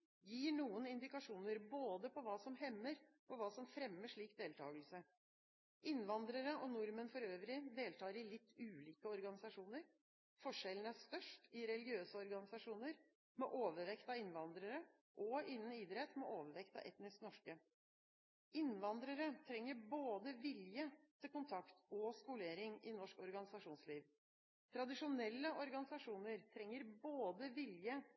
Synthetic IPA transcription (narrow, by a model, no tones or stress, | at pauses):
jiːɳuːənɪnd̪ɪkɑʂuːnəɾboːd̪əpʰɔʋɑːsɔmhɛmːəɾ | ɔʋɑːsɔmfɾɛmːəʂɭiːk̚d̪eːlt̪ʰɑ̰ːɡəlsə | ʔɪnʋɑnd̪ɾəɾəʔɔnʊɾmənfɔɾøːʋɾɪd̪eːlt̪ʰɑːɾɪlɪt̪ʰːʉːliːkəɔɾɡɑnɪsɑʂuːnəɾ | fɔʂɛlən̩æʂt̪œʂʈɪɾɛlɪɡɪøːsəɔɾɡɑnɪsɑʂuːnəɾ | mɛʔoːʋəɾʋɛkt̪ɑɪnʋɑnd̪ɾəɾə | ʔɔɪnːən̩id̪ɾɛt̪ːmɛʔoːʋəɾʋɛkt̪ɑ̰ʋʔɛ̰t̪nɪsknɔʂkə | ɪnːʋɑnd̪ɾəɾət̪ʰɾɛŋːəɾboːd̪əʋɪljət̪ʰɪlkʊnt̪ʰɑkt̪ɔskʊleːɾɪŋɪnɔʂkɔɾɡɑnɪsɑʂuːnsliːʋ | t̪ʰɾɑd̪ɪʂʊnɛlːəʔɔɾɡɑnɪsɑʂuːnəɾt̪ʰɾɛŋːəɾboːd̪əʋɪljə